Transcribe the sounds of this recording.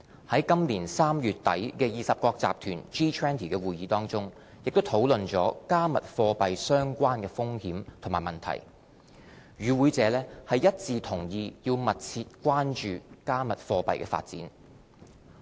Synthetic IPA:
hɐ˨˥jkɐ˥mliː˨˩nsaː˥mjyː˨t̚t̪ɐ˨˥jkɛː˧jiː˨sɐ˨p̚kɔː˧k̚t͡sa̰ː˨p̚t̪ʰyː˨˩nt͡ʃiː˥t̪ʰwɛː˥nt̪ʰiː˨˩kɛː˧wuː˨˩jiː˨˥t̪ɔː˥ŋt͡sʊ˥ŋ | jɪ˨k̚t̪o˥wt̪ʰo˨˥wlɵ˨nt͡sɔː˨˥kaː˥mɐ˨t̚fɔː˧pɐ˨jsœː˥ŋkʷaː˥nkɛː˧fʊ˥ŋhiː˨˥mt̪ʰʊ˨˩ŋmaː˨˩jmɐ˨nt̪ʰɐ̰˨˩j | jyː˨˧wuː˨˧jt͡sɛː˨˧˥lɛː˥hɐ˨jjɐ˥t̚t͡siː˧t̪ʰʊ˨˩ŋjiː˨˧ji˧wmɐ˨t̚t͡sʰiː˧t̚kʷwaː˥nt͡ʃyː˨kaː˥mɐ˨t̚fɔː˧pɐ̰˨jkɛ̰ː˧fa̰ː˧t̚t͡sḭː˨˥n

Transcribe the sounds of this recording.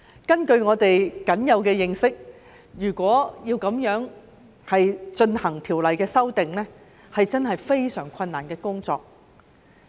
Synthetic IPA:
kɐ˥nkɵ˧ɥŋɔː˨˧t̪e˨jkɐ˨˥njɐ˨˧wkɛː˧jɪ˨ŋsɪ˥k̚ | jyː˨˩kʷɔː˨˥jiː˧wkɐ˨˧˥mjœː˨˥ŋ | hɐ˨jt͡ʃɵ˧nhɐ˨˩ŋt̪ʰiː˨˩wlɐ˨jkɛː˧sɐ˥wt̪ɪ˨ŋlɛː˥ | hɐ˨jt͡sɐ˥nhɐ˨jfe˥jsœː˨˩ŋkʷʰɐ˧nːaː˨˩nkɛː˧kʊ˥ŋt͡sɔ̰ː˧k̚

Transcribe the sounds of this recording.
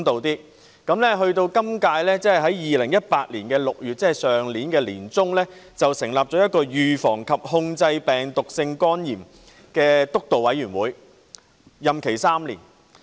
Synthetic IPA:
ŋt̪o˨wt̪iː˥ | kɐ˨˥mlɛː˥ɦɵ˧ɥt̪o˧wkɐ˥mkaː˧jlɛː˥t͡sɛ˥ɐ˨jɦɐ˨˥jjiː˨lɪ˨˩ŋjɐ˥t̚paː˧t̚liː˨˩nkɛː˧lʊ˨k̚jyː˨t̚t͡sɛː˥˨˩sœː˨ŋliː˨˥nkɛː˧liː˨˩nt͡sʊ˥ŋlɛː˥t͡sɐ˨wsɪ˨˩ŋlaː˨p̚t͡ʃɔː˨˥jɐ˥t̚kɔː˧jyː˨fɔː˨˩ŋkʰɐ˨p̚hʊ˧ŋt͡sɐ˧jpɛː˨˩ŋt̪ʊ˨k̚sɪ˧ŋkɔː˥njiː˨˩m | kɛː˧t̪ʊ˥k̚t̪o˨wɐ˨˥jyː˨˩nwuː˨˥j | jɐ˨mkʰe˨˩jsaː˥mlḭː˨˩n

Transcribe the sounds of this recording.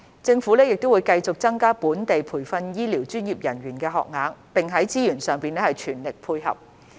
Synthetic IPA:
t͡sɪ˧ŋfu˨˥lɛː˥jɪ˨k̚t̪o˥wu˨˧jkɐ˧jt͡sʊ˨k̚t͡sɐ˥ŋkaː˥puː˨˥nt̪e˨jpʰuː˨˩jfɐ˧njiː˥liː˨˩wt͡ʃyː˥njiː˨˩p̚jɐ˨˩nɥyː˨˩nkɛː˧ɦɔ̰ː˨k̚ŋaː˨˧ŋpɪ˨ŋɦɐ˨˥jt͡siː˥jyː˨˩nsœː˨ŋpiː˨˧nɛ˥hɐ˨˩jt͡ʃʰyː˨˩nlɪ˨k̚pʰuː˧jɦɐ̰˨p̚

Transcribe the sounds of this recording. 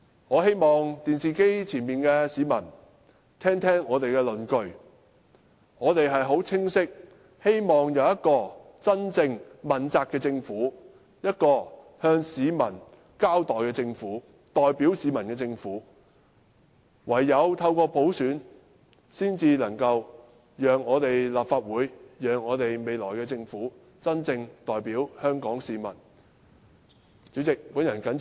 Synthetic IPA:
ŋɔː˨˧he˥jmɔː˨˩ŋt̪iː˨nsiː˨ke˥jt͡sʰiː˨˩nmiː˨nkɛː˧siː˨˧mɐ̰˨˩n | t̪ʰɛː˥ŋt̪ʰɛː˥ŋɔː˨˧t̪e˨jkɛː˧lɵ˨nkɵ˧ɥ | ŋɔː˨˧t̪e˨jɦɐ˨jɦo˨˥wt͡sʰɪ˥ŋsɪ˥k̚ | he˥jmɔː˨˩ŋjɐ˨˧wjɐ˥t̚kɔː˧ | t͡sɐ˥nt͡sɪ˧ŋmɐ˨˩nt͡saː˧kːɛː˧t͡sɪ˧ŋfuː˨˥ | jɐ˥t̚kɔː˧ | hœː˧ŋsiː˨˧mɐ̰˨˩n | kaː˥wt̪ɔː˨jkɛː˧t͡sɪ˧ŋfuː˨˥ | t̪ɔː˨jpi˨˥wsiː˨˧mɐ˨˩nkɛː˧t͡sɪ˧ŋfuː˨˥ | wɐ˨˩jːɐ˨˧wt̪ʰɐ˧wkɔː˧po˨˥wsyː˨˥n | siː˥nt͡siː˧lɐ˨˩ŋkɐ˧w | jœː˨ŋːɔː˨˧t̪e˨jlaː˨p̚faː˧t̚wuː˨˧jjœː˨ŋɔː˨˧t̪e˨jme˨jlɔː˨˩jkɛː˧t͡sɪ˧ŋfuː˨˥ | t͡sɐ˥nt͡sɪ˧ŋt̪ɔː˨jpiː˨˥whœː˥ŋkɔː˨˥ŋsiː˨˧mɐ˨˩n | t͡syː˨˥t͡sɪ˨k̚puː˨˥njɐ˨˩nkɐ˨˥n

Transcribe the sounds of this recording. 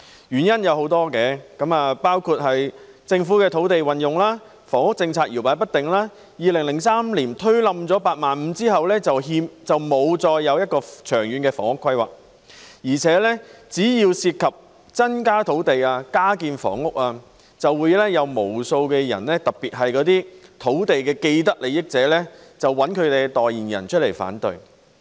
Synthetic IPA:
jyː˨˩njɐ˥njɐ˨˧who˨˥wt̪ɔː˥kɛː˧kɐ˨˥maː˨˧paː˥wkʰuː˧t̚ɦɐ˨j | t͡sɪ˧ŋfuː˨˥kɛː˧t̪ʰo˨˥wt̪e˨jwɐ˨njʊ˨ŋlaː˥ | fɔː˨˩ŋʊ˥k̚t͡sɪ˧ŋt͡sʰaː˧t̚ji˨˩wpaː˨˥jpɐ˥t̪̚ɪ˨˩ŋlaː˥ | jiː˨lɪ˨˩ŋlɪ˨˩ŋsaː˥mliː˨˩nt̪ʰɵ˥ɥlɐ˨mt͡sɔː˨˥paː˧t̚maː˨nm̩˨˧t͡siː˥hɐ˨wlɛː˥t͡sɐ˨wɦiː˧mt͡sɐ˨wmo˨˧wt͡sɔː˧jːɐ˨˧wjɐ˥t̚kɔː˧t͡ʃʰœː˨˩ŋjyː˨˧nkɛː˧fɔ̰ː˨˩ŋʊ˥kʰːɐ˥jwa̰ː˨k̚ | jiː˨˩t͡sʰɛː˨˥lɛː˥t͡siː˨˥jiː˧wsiː˧t̚kʰɐ˨p̚ | t͡sɐ˥nkaː˥t̪ʰo˨˥wt̪e˨jaː˧kaː˥kiː˧nfɔ̰ː˨˩ŋʊ˥k̚aː˧ | t͡sɐ˨wːuː˨˧jlɛː˥jɐ˨˧wmo˨˩wso˧wkɛː˧jɐ̰˨˩nlɛː˥t̪ɐ˨˩k̚piː˨t̚ɦɐ˨jkɔː˨˥t̪̬iː˥t̪ʰo˨˥wt̪e˨jkɛː˧ke˧jt̪̬ɐ˥k̚le˨˧jɪ˥k̚t͡sɛː˨˥lɛ˥t͡sɐ˨wːɐ˨˥nkʰɵ˨˧ɥt̪e˨jt̪ɔː˨jiː˨˩njɐ̰˨˩nt͡ʃʰɵ˥t̚le˨˩jfa̰ː˨˥nt̪ɵ˨˧ɥ

